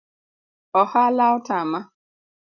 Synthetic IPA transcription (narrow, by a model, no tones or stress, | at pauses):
ɔhalaʊtama